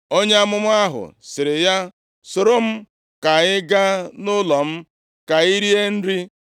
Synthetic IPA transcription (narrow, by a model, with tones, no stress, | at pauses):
o˦ɲe˦a˦mʊ˦mʊ˦a˦ɦʊ̰˨sɪ˨ɾɪ˨ja˦ | sʊ˨ɾʊ˦m̩˦ | ka˨ɪ˦ɡa˦nʊ˦lɔ˨m̩˦ | ka˨i˦ɾi˦e˦n̩˦ɾi˦